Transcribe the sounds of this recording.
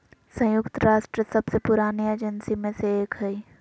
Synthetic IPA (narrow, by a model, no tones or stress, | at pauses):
sə̃jʊkt̪ɾaːʃʈɾəsɐbsepʊɾaːnieːd͡ʒənsimẽseeːkɦɛi